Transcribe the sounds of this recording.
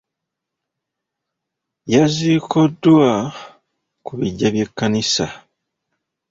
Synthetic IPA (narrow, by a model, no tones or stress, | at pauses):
jazikodːwa | kuβiɟːaβje̞kːanisa